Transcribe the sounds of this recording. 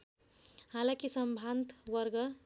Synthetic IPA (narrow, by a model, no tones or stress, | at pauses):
halakisʌmbʱant̪wʌrɡʌ